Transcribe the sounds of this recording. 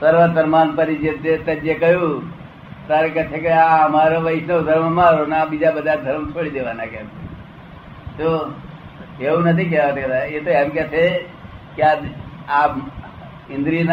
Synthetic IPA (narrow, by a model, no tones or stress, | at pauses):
səɾʋət̪əɾmaːnpəɾid͡ʒet̪et̪ɐd͡ʒekəju | t̪aɾekɐt͡ʃʰekeaɦɐmaːɾoʋəɪsnod̪ʱəɾmmãɾonabid͡ʒabəd̪aɾd̪ʱəɾmt͡ʃʰoɽid̪eːʋaːnakem | t̪o | eunət̪ʰik̬eʋat̪əkd̪aet̪oɛmket͡ʃʰe | kaaːp | ɪ̃nd̪ɾin